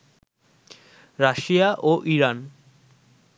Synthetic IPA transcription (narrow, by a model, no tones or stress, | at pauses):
ɾaʃijaʔoʔiɾan